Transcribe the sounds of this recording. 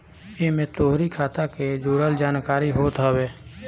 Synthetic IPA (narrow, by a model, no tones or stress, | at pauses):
emẽt̪oːɦɾikʰaːt̪aked͡ʒuːɽəld͡ʒaːnkaːɾiɦoːt̪ɦəweː